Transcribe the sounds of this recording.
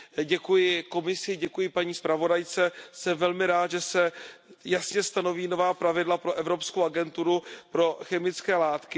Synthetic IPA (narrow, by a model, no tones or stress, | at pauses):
ɟɛkujɪko̞mɪsɪɟɛkujɪpaɲiːspɾavo̞dajt͡sɛsɛmvɛlmɪɾaːt̪ʒɛsɛjasɲɛst̪ano̞viːno̞vaːpɾavɪdlapɾo̞ʔɛvɾo̞pskowaɡɛnt̪uɾupɾo̞xɛmɪt͡skɛːlaːt̪kɪ